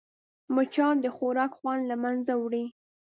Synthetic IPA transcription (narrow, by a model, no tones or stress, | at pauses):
mʊt͡ʃɑd̪əxoɾɑkxwɑnlamanzawɽi